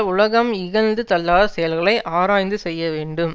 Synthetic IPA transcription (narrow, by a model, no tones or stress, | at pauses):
ʊɭɐɣɐmɪɣɐlnd̪ɯt̪ɐlːaːðɐsɛjɐlɣɐɭɐɪʔaːɾaːjnd̪ɯsɛjːɐʋeːɳɖɯm